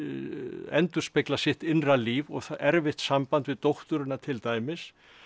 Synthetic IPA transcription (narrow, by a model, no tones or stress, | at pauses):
ɛnt̪ʏɾ̥spɪklasɪht̪ɪnraliːvɔɣθaʔɛɾvɪht̪sampant̪vɪðt̪owht̪ʏɾʏnːat̪ʰɪlt̪aːjmɪs